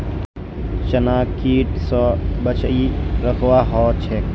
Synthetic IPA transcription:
t͡ʃənaːkiːʈsɔːbət͡ʃiɾəkʰwaːɦoːt͡ʃʰeː

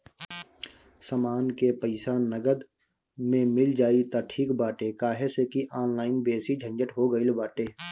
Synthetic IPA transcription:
səmaːnkepəɪsaːnnəɡəd̪ | mẽmɪld͡ʒaːit̪aʈʰiːkbaːʈekaːɦesekiʔaːnlaːɪnbeːsid͡ʒʱə̃nd͡ʒəʈɦoɡəilbaːʈeː

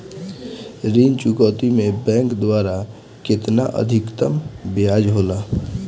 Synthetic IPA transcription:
ɾiːnt͡ʃukɔːt̪imẽbɛ̃ːŋkd̪waːɾa | kɪt̪naʔə̰d̪ʱɪkt̪əmbiad͡ʒɦoːla

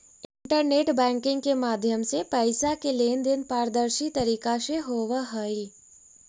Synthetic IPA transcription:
ɪ̃ɳʈəɾneːʈbɛ̃ːŋkɪ̃ŋɡ̚kemaːd̪ʱjəmsepɛɪsakeleːnd̪ɪnpaːɾd̪əɾʃit̪ɐɾiːkaʃeɦoːʋəɦəi

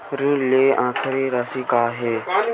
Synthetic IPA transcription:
ɾũleːãːkʰɪɾiːɾaːsikaːɦeː

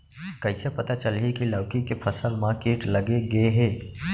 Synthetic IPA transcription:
kəɪsepɐt̪at͡ʃəlɦikiləːkikepʰəsəlmãkeːʈləɡeɡəeɦeː

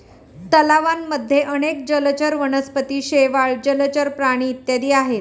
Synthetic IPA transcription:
t̪əlaʋanːəd̪ʱːjeʔəɽ̃ek̚d͡ʑələt͡ɕəɾʋəɳəspət̪iːɕeʋaɭd͡ʑəlt͡ɕəɾpɾaɽ̃iːt̪jad̪iːaɦe

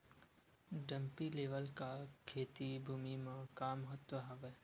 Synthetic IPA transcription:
ɖə̃mpileːʋəlkakʰeːt̪ibʱuːmimẽkaːməɦət̪wəɦɐʋeː

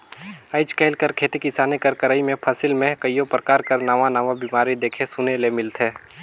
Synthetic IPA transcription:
əɪt͡ʃkɛɪlkəɾkʰeːt̪ikɪsaːnekəɾkəɾaːimẽpʰəsɪlmẽkəijopɾəkaːɾkəɾnaːʋãnaːʋabimaːɾid̪eːkʰesʊnelemɪlt̪ʰɦeː

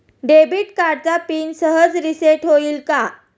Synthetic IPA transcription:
ɖebiːʈkaɖ̚t͡sapiːnsəɦəd͡zɾiseʈɦoiːlka

